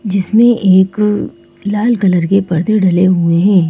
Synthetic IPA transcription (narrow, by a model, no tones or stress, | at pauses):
d͡ʒɪsmẽʔeːk | laːlkɐləɾkepɐɾd̪ʱeɖʱɐleɦueɦɛ̃ː